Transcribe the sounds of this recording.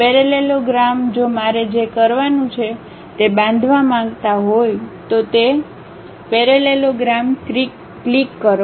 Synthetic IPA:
pɛɾeleloɡɾamd͡ʒomaɾed͡ʒekəɾʋanũt͡ʃʰe | t̪ebãnd̪ʱʋamãŋɡt̪aɦojt̪ot̪e | pɛɾeleloɡɾamkɾikː | likːəɾ

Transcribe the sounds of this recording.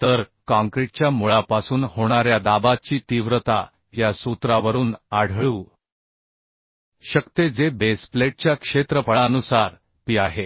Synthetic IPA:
t̪əɾkãŋkɾeʈ̚t͡ɕjamuɭapasuːnhoɽ̃aɾjad̪abat͡ɕiːt̪iʋɾət̪a̰ | jasut̪ɾaʋəɾuːnaɽ̤ɭuː | ɕəkt̪ed͡zebespleʈ̚t͡ɕjakʂet̪ɾəpəɭaənusaɾ | piːaɦe

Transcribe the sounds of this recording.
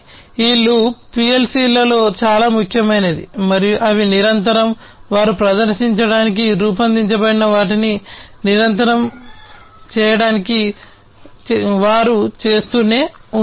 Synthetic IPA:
iːlːupielsiːlɐlo̞ːt͡ʃaːlaːmukʰjɐmɐjnɐd̪ḭmɐɾijuʔɐʋiniɾɐnt̪ɐɾɐm | ʋaːɾupɾɐd̪ɐɾʃiɲt͡ʃɐɽaːnik̬iɾuːp̬ɐnd̪iɲt͡ʃɐbɐɽinɐʋaːʈininiɾɐnt̪ɐɾɐm | t͡ʃɛːjɐɽaːniki | ʋaːɾut͡ʃe̞ːst̪uːne̞ːu

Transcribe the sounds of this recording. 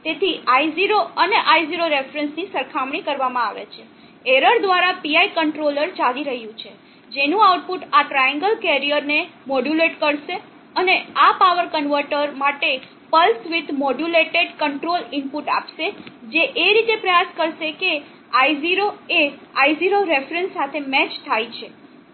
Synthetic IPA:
t̪et̪ʰiaiziɾoəneʔaiziɾoɾefɾənsnisəɾkʰamɳikəɾʋamãaʋḛt͡ʃʰe | eɾəɾd̪ʋaɾapiaikəɳʈɾoləɾt͡ʃaliɾəɦjũt͡ʃʰe | d͡ʒenũawʈ̚puʈaʈɾajə̃ŋɡəlkɛɾijəɾnemoɖjuleʈkəɾʃe | əneapaʋəɾkənʋəɾʈəɾmaʈe | pəlsʋɪd̪moɖuleʈeɖkəɳʈɾolɪmpuʈa̰pʃed͡ʒeʔeɾit̪epɾəjaskəɾʃeke | ajziɾoeaiziɾoɾefɾənsːat̪ʰemɛt͡ʃt̪ʰajt͡ʃʰe

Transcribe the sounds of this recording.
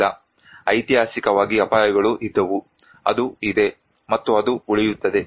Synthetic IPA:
ɐ | ɐjt̪iɦaːsikɐʋaːɡiɐpaːjɐɡɐɭuʔid̪ːɐʋu | ɐ̰d̪uid̪e̞ | mɐt̪ːuɐd̪uuɭijut̪ːɐd̪e̞

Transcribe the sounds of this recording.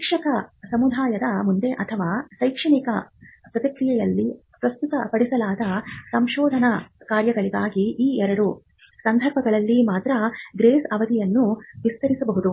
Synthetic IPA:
ikʂɐkɐsɐmud̪ʱaːjɐd̪ɐmund̪e̞ʔɐt̪ʰɐʋaːsɐjkʂɐɳikɐpɾɐt̪ɐkɾijɐjɐlːi | pɾɐst̪ut̪ɐpɐɽisɐlaːd̪ɐsɐmʃɔːd̪ʱɐnɐkaːɾjɐɡɐɭiɡaːɡiiːɛɾɐɾu | sɐnd̪ʱɐɾbʱɐɡɐɭɐlːimaːt̪ɾɐɡɾeːsɐʋɐd̪ijɐnːuʋist̪ɐɾisɐbɐɦud̪u

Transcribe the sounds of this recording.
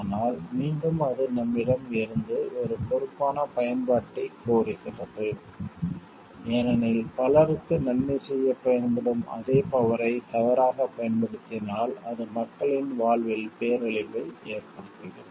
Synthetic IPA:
naːlmiːɳɖɯmɐðɯnɐmːɪɽɐmɪɾɯnd̪ɯʔɔɾɯpɔɾɯpːaːnɐpɐjɐnpaːʈːɪkːoːrɪkɪrɐðɯ | ɛnɐnɪlpɐlɐɾɯkːɯnɐnmɛsɛjːɐpːɐjɐnbɪɽɯmɐ̰ðeːpɐʋɐɾɐɪt̪ɐʋɐɾaːɣɐpɐjɐnpɐɽɯt̪ːɪnaːlɐðɯmɐkːɐɭɪnʋaːɭʋɪlpeːɾɐɭɪpːɐɪeːrpɐɽɯt̪ːɪɾɯ̰m

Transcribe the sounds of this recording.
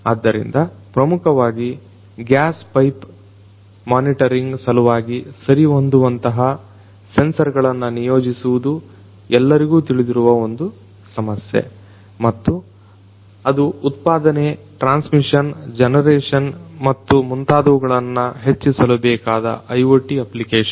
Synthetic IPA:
aːd̪ːɐɾḭnd̪ɐpɾɐmukʰɐʋaːɡi | ɡjaːspɐjp | maːniʈɐɾiŋɡsɐluʋaːɡisɐɾiond̪uʋɐnt̪ɐɦɐ | se̞nsɐɾɡɐɭɐnːɐnijoːd͡ʒisuʋud̪u | ɛlːɐɾiɡuːt̪iɭid̪iɾuʋɐo̞nd̪u | sɐmɐsjḛ | mɐt̪ːu | ɐd̪uːt̪̚paːd̪ɐne | ʈɾaːnsmiʂɐnd͡ʒɛnɐɾɛːʂɐnmɐt̪ːumunt̪aːd̪ɐʋuɡɐɭɐnːɐɦet͡ʃːisɐlɐbɛːkaːd̪ɐ̰ʔɐjʋoʈiɐplikeːʃɐn

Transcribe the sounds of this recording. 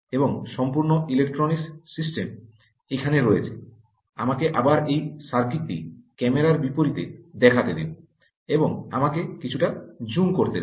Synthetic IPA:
eboŋʃɔmpuɾnoilek̚ʈɾoniksisʈem | ekʰaneɾoet͡ɕʰe̥ | a̰makeʔabaɾejʃaɾkɾit̪ːikɛmeɾaɾbipoɾit̪ed̪ɛkʰat̪ed̪ḭbo | eboŋa̰makekit͡ɕʰuʈad͡ʑuŋkoɾt̪e

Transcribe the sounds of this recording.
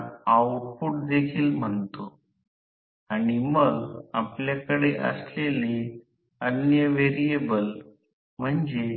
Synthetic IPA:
awʈfuʈ̚d̪ekʰiːlm̤əɳt̪o | aɽ̃iməɡapljakəɽeʔə̰slele | ənjəʋeɾiebəl | m̤əɳd͡ze

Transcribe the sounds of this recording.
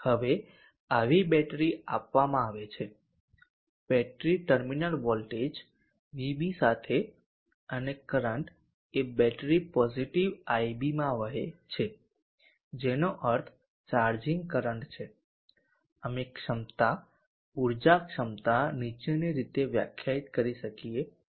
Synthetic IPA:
həʋe | aʋibɛʈɾia̰pʋamãaʋet͡ʃʰe | bɛʈɾiʈəɾminəlʋɔlʈed͡ʒ | ʋibisat̪ʰe | ənekəɾəɳʈ | ebɛʈɾipɔziʈiʋajbimãʋəɦet͡ʃʰe | d͡ʒenoʔəɾt̪ʰ | t͡ʃaɾd͡ʒiŋɡkəɾəɳʈt͡ʃʰe | əmekʃəmt̪a | uɾd͡ʒakʃəmt̪anit͡ʃeniɾit̪eʋja̰kʰjait̪kəɾiʃəkie

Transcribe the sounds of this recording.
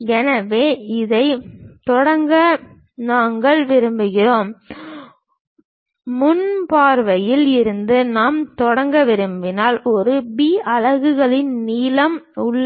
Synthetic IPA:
ɛnɐʋeːɪðɐɪt̪ɔɽɐŋɡɐ | naːŋɡɐɭʋɪɾɯmbɯɣɪroːm | mʊnpaːɾʋɐjɪlɪɾɯnd̪ɯnaːmt̪ɔɽɐŋɡɐʋɪɾɯmbɪnaːlɔɾɯbiːɐɻɐɣɯɣɐɭɪnniːlɐmʊɭː

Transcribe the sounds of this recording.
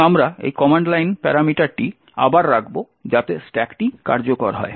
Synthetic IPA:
amɾaḛjkɔmaɳɖlajnpɛɾamiʈaɾʈi | a̰baɾːaɡbo | d͡ʑat̪esʈɛkʈika̰ɾd͡ʑokoɾɦɔ̰e

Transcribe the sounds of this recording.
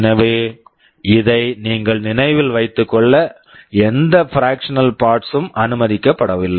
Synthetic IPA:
nɐʋeː | ɪðɐɪniːŋɡɐɭnɪnɐɪʋɪlʋɐɪt̪ːɯkːɔɭːɐ | ɛnd̪ɐfɪɾaːkʂɐnɐlpaːɾʈsɯmʔɐnɯmɐðɪkːɐpːɐɽɐʋɪlːɐ

